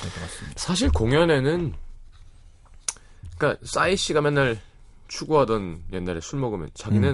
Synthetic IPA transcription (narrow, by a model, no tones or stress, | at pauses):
ssʰaɕ̬ʰiɭkoŋjʌne̞nɯn | k͈as͈aiɕ͈iɡamjanːaɭ | t͡ɕʰuɡuɦadʌnje̞nːaɾe̞sʰuɭmʌɡɯmjʌ̰nt͡ɕaɡine